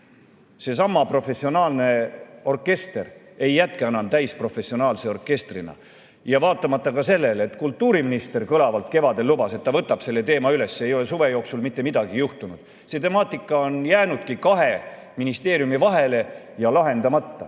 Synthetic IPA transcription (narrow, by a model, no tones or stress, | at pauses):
se̞s̬ɑmːɑpro̞fe̞sio̞nɑːlne̞o̞rkːe̞st̪e̞r | e̞jːæt̪̚keɑnɑnt̪æjspro̞fe̞sio̞nɑːlse̞o̞rkːe̞st̪rinɑ̰ | jɑvɑːt̪ːˑɑmɑt̪ːɑkɑse̞lːe̞let̪kult̪ːuːɾiminist̪e̞rkɤlɑvɑlt̪ke̞vɑd̪e̞lːubɑse̞t̪ːɑvɤt̪ːˑɑb̥se̞lːe̞t̪e̞ːmɑyle̞sːee̞jo̞le̞suve̞jo̞ːksulmit̪ːemid̪̥ɑɡijuht̪unud̪̥ | se̞t̪e̞mɑːt̪ːˑikːˑɑo̞njæːnud̪̥kikɑɦe̞ | minist̪e̞ːɾjumivɑɦe̞le̞ | jɑlɑɦe̞nd̪̥ɑmɑt̪ːɑ̰